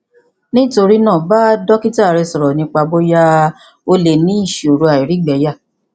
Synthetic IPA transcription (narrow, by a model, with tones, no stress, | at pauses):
nĩ˦to˧ɾi˦nãː˦˨ba˦dɔ˦ki˦ta˦˨ɾɛ˧sɔ˨ɾɔ˨nĩ˧˦k͡pa˧bo˦ja˦ | o˧le˨nĩ˨˦i˦˨ʃi˨o˨ɾu˧a˨i˨ɾi˨˦ɡ͡bɛ˨˦ja˦˨